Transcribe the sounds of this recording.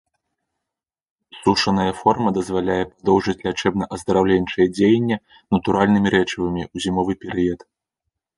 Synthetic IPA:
suʂɐnɐjɐfɔrmɐd̪ɐzvalʲajɛpad̪ɔwʐɨt͡sʲlʲat͡ʂɛb̚nɐʔɐzd̪ɐɾawlʲenʲt͡ʂɐjɛd͡zʲejenʲːɛ | nɐt̪uɾalʲnɨmʲiɾɛt͡ʂɨvɨmʲiuzʲimɔvɨpʲɛɾɨjɐt̪

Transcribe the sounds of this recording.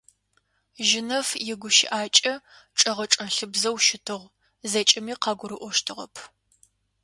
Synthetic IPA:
ʒɪnɐfjɪɡʷʊʃɪ̰ʔaːt͡ʃʼɐʈ͡ʂʼɐʁɐʈ͡ʂʼɐnɬɨbzɐwʃɪtʰɨʁʷ | zɐt͡ʃʼɪmiːqɑːɡʷʊɾɨʔʷɔʃtʰɨʁɐ̰pʰ

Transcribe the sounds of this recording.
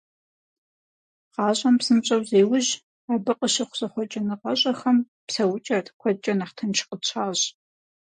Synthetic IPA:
qɑːɕʷʼɐmpsɨmɕʼɐwzeːwʊʑ | aːbɨqʼəʃɐχʷʊz̥ɐχʷɔt͡ʃʼɐnɨqɐɕʼɐxɐm | psɐwʊt͡ʃʼɐtʰkʷʰɔt͡ʃʼɐnɐχtʰɐnt͡ʃʰqʼət͡ɕʷʰaːʑ

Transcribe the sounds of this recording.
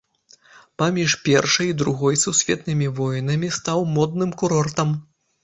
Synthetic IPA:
pamʲiʂpʲɛrʂɐjid̪ɾuɣɔjsusʲvʲɛt̪nɨmʲivɔjnɐmʲist̪awmɔd̪nɨmkuɾɔrt̪ɐm

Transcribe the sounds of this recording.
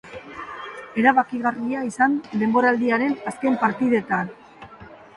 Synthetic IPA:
e̞ɾaβakiɣariaisand̪e̞mbo̞ɾald̪iaɾe̞naske̞mpaɾt̪iðe̞t̪an

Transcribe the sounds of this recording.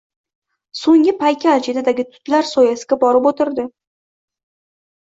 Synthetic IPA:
soŋɪpʰajkʲaːd͡ʒid̪ad̪aɡʲɪt̪ʰʊ̥t̪laɾsɒjasɪɡʲabɒɾɪpot̪ɪɾd̪ɪ

